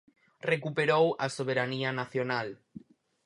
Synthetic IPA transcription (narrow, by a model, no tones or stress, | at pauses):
rekupeɾowasoβ̞eɾanianaθjonal